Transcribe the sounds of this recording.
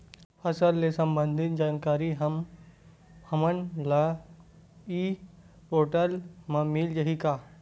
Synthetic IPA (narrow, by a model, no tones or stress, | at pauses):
pʰɐsəlːesɐ̃mbə̃nd̪ʱɪt̪̚d͡ʒaːnkaːɾiɦɐm | ɐmənla | iː | poːʈəlmãmild͡ʒɐɦikaː